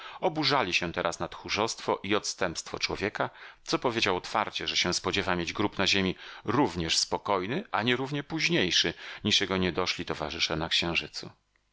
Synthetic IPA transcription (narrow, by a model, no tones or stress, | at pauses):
ɔbuʐalʲiɕɛ̃t̪ɛɾʔasnat̪xuʐɔst̪fɔʔiɔt̪st̪ɛmpst̪fɔ̰t͡ʂwɔvʲjɛkat̪sɔpɔvʲjed͡ʑawɔt̪fa̰ɾt͡ɕɛʐɛɕɛ̃spɔd͡ʑɛvamʲjed͡ʑɡɾupnaʑemʲiɾuvɲɛʂspɔkɔjnɘʔaɲɛɾuvɲɛpuʑɲejʂɘɲiʂjɛɡɔɲɛd̪ɔʂlʲit̪ɔvaʐɘʂɛnakɕɛ̃w̃ʐɘt̪sṵ